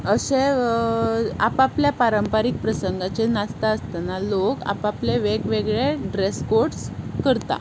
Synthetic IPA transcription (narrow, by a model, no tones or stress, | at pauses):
əse | a̰papljapaɾəmpaɾik̚pɾəsəŋɡat͡ɕenast̪aəst̪analoka̰papleʋekʋeɡɭeɖɾeskoʈskəɾt̪a̰